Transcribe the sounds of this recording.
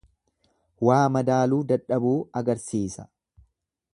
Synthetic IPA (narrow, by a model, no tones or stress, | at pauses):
waːmɐd̪aːluːd̪ɐᶑːɐbuːɐɡɐɾsiːsɐ̥